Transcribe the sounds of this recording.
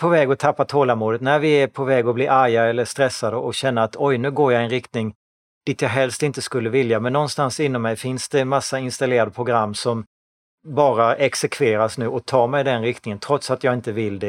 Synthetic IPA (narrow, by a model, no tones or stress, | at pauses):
pʰɔvɛːɡɔt̪ʰapːat̪ʰoːlamuːd̪ət̪næɾvɪæpʰɔvɛːɡɔbliːʔaɾjaɛlːəʂt̪ɾɛsːad̪əʔɔɕɛnːaat̪ɔjnʉ̟ːɡoːɾjaɪnɾɪkt̪nɪŋ | d̪̥ɪt̪jɑːɦɛlst̪ɪnt̪əskɵlːəvɪljamɛnːɔnst̪ansɪnːɔmːɛjfɪnsd̪̥ɛmasːaɪnst̪aleːɾad̪əpʰɾʊɡɾamːsɔm | bɑːɾaɛksɛkʰveːɾasnʉ̟ːɔt̪ʰɑːmɛjd̪ɛnɾɪk̚t̪nɪŋənt̪ʰɾɔt̪sat̪jɑːɡɪnt̪əvɪld̪ɛ